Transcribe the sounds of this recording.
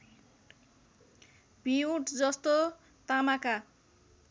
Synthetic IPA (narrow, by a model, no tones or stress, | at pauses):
b̥ʱiũʈd͡zʌst̪o | t̪amaka